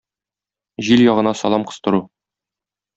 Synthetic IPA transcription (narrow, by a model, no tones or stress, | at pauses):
ʑiljɒʁɤ̆nɑsɒ̰lˠɑmqɤ̥̆st̪ɤ̆ɾu